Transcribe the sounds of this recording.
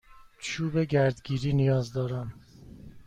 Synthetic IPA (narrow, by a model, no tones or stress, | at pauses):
t͡ʃʰuːbeɟæɾd̪ɡiːɾiːnijɒːzd̪ɒːɾæn